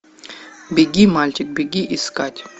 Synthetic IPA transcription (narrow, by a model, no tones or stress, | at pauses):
bʲeɡʲimalʲt͡ʃʲʼik̚beɡʲiʔiskʼatʲ